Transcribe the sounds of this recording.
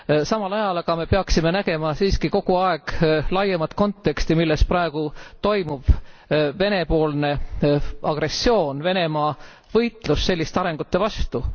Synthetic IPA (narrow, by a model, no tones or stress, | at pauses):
sɑmɑlɑjɑlɑɡ̥ɑme̞peɑksime̞næɡe̞mɑsiːskiko̞ɡ̥uɑe̞ɡ̥lɑjːemɑt̪ko̞nt̪ːˑe̞kst̪imilːe̞sprɑeɡ̥ut̪o̞jmub̥ve̞ne̞po̞ːlne̞ | ɑɡ̥re̞sːo̞ːnve̞ne̞mɑː | vɤ̞jt̪ˑlusːe̞lːist̪eɑɾe̞ŋɡ̥ut̪ːe̞vɑst̪u